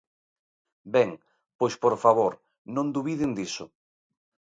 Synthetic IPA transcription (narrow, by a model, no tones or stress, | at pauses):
bɛŋ | pojspoɾfaβoɾ | nõnd̪uβiðɪnd̪isʊ